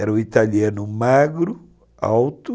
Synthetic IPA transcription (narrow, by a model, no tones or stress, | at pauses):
ɛɾɐʊit̪aliɐ̃nʊmaɡɾʊ | a̰wt̪ʊ